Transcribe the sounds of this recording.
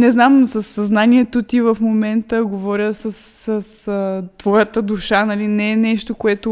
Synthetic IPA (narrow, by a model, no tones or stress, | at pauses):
nɛznamsəsːɐznaniɛt̪ot̪ivɐfmomɛnt̪əɡovɔɾʲəsəs | səst̪vɔjət̪əd̪uʃanɐlinɛːnɛʃt̪okoɛt̪o